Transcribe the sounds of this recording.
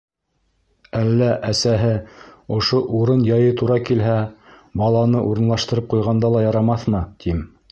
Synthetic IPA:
ælːæʔæsæɦɘŏʃoʔuɾɤnjɑjɤt̪ʰuɾɑkilɦæ | bɑlˠɑnɤʔuɾɤ̆nlˠɑʃt̪ɤ̆ɾɤp̚qujʁɑnd̪ɑlˠɑjɑɾɑmɑθmɤt̪im

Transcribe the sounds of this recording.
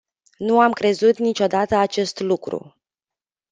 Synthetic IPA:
nuamkɾe̞zut̪nit͡ʃo̞d̪at̪əat͡ʃe̞st̪lukɾṵ

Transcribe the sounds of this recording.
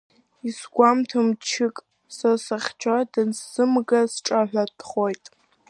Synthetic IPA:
isɡʷamtʰomt͡ʃʰɪkʼ | sasaχʲt͡ʃʷʰadɨnsːɨmɡasʈ͡ʂʼaħᶣʷadχojtʼ

